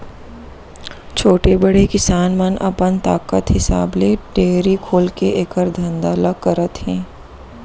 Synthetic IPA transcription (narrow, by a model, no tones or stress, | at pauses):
t͡ʃʰoːʈebɐɽekɪsaːnmɐnʔɐ̰pənt̪aːkət̪ɦɪsa̰ːbleʈeːɾikʰoːlkeʔeːkəɾd̪ʱɐ̃nd̪aləɡ̚kɐɾət̪ɦɛ̃ː